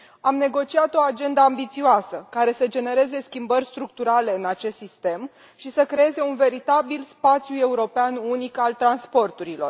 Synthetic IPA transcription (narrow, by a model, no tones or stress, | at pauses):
amne̞ɡo̞t͡ʃiat̪o̞ad͡ʒe̞nd̪əambit̪sioasəkaɾe̞səd͡ʒe̞ne̞ɾe̞ze̞skʲimbərʲst̪ɾuk̚t̪uɾale̞ɨnat͡ʃe̞st̪sist̪e̞m | ʃisəkɾe̞e̞ze̞unve̞ɾit̪abilspat̪sjue̞uɾo̞peanunikalt̪ɾanspo̞rt̪uɾilo̞̰r